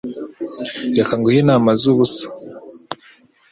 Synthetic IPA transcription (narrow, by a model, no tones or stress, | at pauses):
ɾekaŋɡohinamazuβusḁ